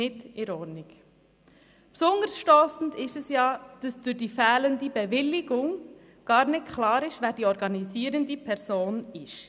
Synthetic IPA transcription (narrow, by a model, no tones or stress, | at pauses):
ɪdɪɾɔɾnɪɡ | psʊndəɾsʃtoːsn̩dɪʃɛsjɑːd̥ɑsd̥ʊɾd̥iːfɛːləndibɛvɪlːɪɡ̥ʊŋ | ɡ̥ɑːɾnɪtkʰlɑːɾɪʃʋæːɾd̥iːɔɾɡɑniziːɾəndipʰɛɾsoːnɪʃ